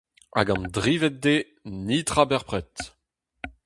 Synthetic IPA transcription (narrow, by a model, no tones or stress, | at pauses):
a̰ɡɑ̃nd̪ʁiːvɛt̚d̪e | nit̪ʁabɛʁpʁɛt̪